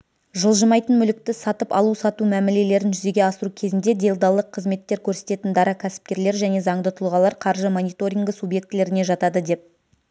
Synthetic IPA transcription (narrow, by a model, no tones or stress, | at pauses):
ʒəlˠʒəmɑjt̪ənmʏlɪk̚t̪ɪsɑt̪əpɑ̰lˠusɑt̪umæmele̞le̞ɾɪnʒʏze̞ɡʲe̞ɑsəɾukʲʰe̞zɪnd̪e̞d̪e̞lʲd̪ɑlˠəqʰːəzme̞t̪ːe̞ɾkʲʰɵɾse̞t̪e̞t̪ɪnd̪ɑɾɑkʲʰæsɪ̥p̚kʲe̞ɾle̞ɾʒæne̞zɑɴd̪ət̪ʰʊlˠʁɑlˠɑɾqʰɑɾʒəmo̞nijt̪o̞ɾʲiŋɡəsubje̞k̚t̪le̞ɾɪne̞ʒɑt̪ɑd̪əd̪e̞p̚